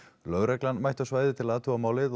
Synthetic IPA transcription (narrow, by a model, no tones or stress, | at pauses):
lœːɣɾɛklanmajht̪awsvaːjðɪt̪ʰɪlat̪ʰuamaːwlɪð